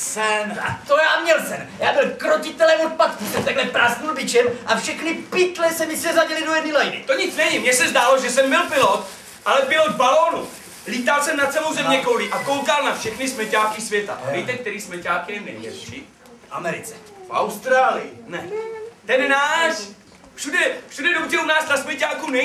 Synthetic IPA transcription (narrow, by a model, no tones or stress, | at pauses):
sɛnat̪ojaːmɲɛlsɛnjaːbɪlkɾocɪt̪ɛlɛmot̪̚pat̪̚kusɛmt̪aɡlɛpɾast̪ulbɪt͡ʃɛmʔafʃɛxnɪpɪt̪lɛsɛmɪsɛzaɟɪlɪdo̞jɛdnɪlajnɪ̰t̪oɲɪt͡snɛvimɲɛsɛzd̪aːloʒɛsɛmbɪlpɪlot̪ | ʔalɛpɪlot̪baloːnu | liːt̪alsɛmnat̪t͡sɛlowzɛmɲɛkolɪʔakowkalnafʃɛxnɪsmɛcaːkɪsvjɛt̪a̰ʔvɛjt̪ɛk̚t̪ɛɾiːsmɛcaːkɪnɛmnɛ̰ɲjɛ̰lʃi | fa̰mɛɾɪt͡sɛfʔa̰wst̪ɾaːlɪjɪnɛt̪ɛnnaːʃ | fʃudɛfʃudɛdowtɛunaːst̪asmɛcaːkuːnɛ